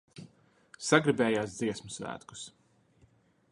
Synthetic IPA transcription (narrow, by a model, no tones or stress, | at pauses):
saɡɾibɛːjaːsd̪ziɛsmusvæ̰ːt̪ku̥s